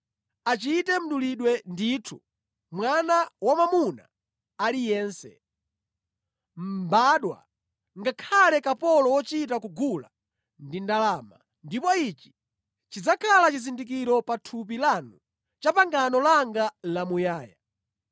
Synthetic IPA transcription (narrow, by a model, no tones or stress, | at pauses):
at͡ʃitɛm̩ɗuliɗwɛnditʰṵ | mwanawamamuna̰ | alijɛːnsɛ̰ | m̩baɗwa̰ | ŋɡakʰalɛkapɔlɔwɔt͡ʃitakuɡula̰ | ndindalaːma̰ | ndipɔit͡ʃi̥ | t͡ʃid͡zakʰalat͡ʃizindik̬iɾɔpatʰup̬ilanu | t͡ʃapaŋɡanɔlaŋɡalamujaːja